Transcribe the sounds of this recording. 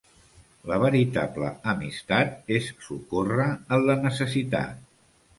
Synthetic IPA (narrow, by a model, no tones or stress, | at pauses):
ləβəɾit̪ablə̰əmist̪at̪̚esːukorəənlənəsəsit̪a̰t̪̚